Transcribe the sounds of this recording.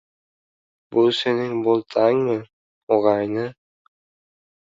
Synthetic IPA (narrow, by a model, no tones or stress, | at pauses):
bulˠseniŋbolˠt̪ʰɑŋmɯ | oʁɑjnɯ